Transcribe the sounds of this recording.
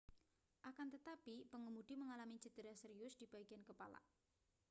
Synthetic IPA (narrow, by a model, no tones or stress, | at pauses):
ʔakant̪ət̪apipəŋəmud̪̥iməŋalamit͡ʃid̪̥əɾasəɾiʊsd̥ib̥aiɡiankəpa̰la̰